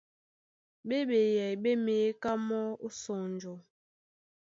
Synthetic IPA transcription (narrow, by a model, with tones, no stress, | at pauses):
be˦ɓe˨jɛ˨jɓe˦me˨e˦ka˦mɔ˦o˦sɔ˨n˨d͡ʒɔ˨